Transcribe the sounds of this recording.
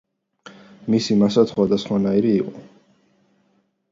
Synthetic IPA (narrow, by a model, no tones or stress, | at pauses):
misimasat̪sʰχwad̪asχwanaiɾiːqʼɔ